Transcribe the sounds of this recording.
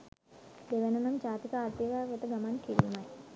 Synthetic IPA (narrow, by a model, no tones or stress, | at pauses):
d̪eʋenunamd͡ʒaːt̪ikəaːɾt̪iəʋaːʋet̪əɡamankilimaj